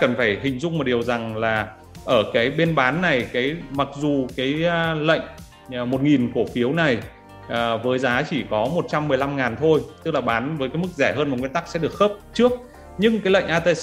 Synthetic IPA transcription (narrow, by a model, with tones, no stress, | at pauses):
kə˨˩nfaː˧˩jhï˨˩ŋ̟zʊ̰˧ŋ͡mmo˨˩ɗi˨˩əwza˨˩ŋlaː˨˩ | ʔəː˧˩kaː˨˦jɓe˧nɓaː˨˦nːa˨˩jkaː˨˦jma˨˩k̚zu˨˩kaː˨˦jlə̰˧˨ŋ̟˨˩ | mo˨˩t̚ŋi˨˩nko˧˩fi˨˦əwna˨˩j | ʔːvəː˨˦jzaː˨˦t͡ɕi˧˩kɔ˨˦mo˨˩t̚t͡ɕa˧mːɨ˨˩əjla˧mŋaː˨˩nt̪ʰo˧jt̪ɨ˦˥k̚laː˨˩ɓaː˨˦nvəː˨˦jkaː˨˦jmɨ˦˥k̚zɛ˧˩ɦəː˧nmaː˨˩ŋwi˧ənt̪a˦˥k̚sɛ̰˧˥ɗək̚xəː˦˥p̚t͡ɕɨ˦˥ək̚ | ɲɨ˧ŋkaː˨˦jlə̰˧˨ŋ̟ʔaː˧t̪e˧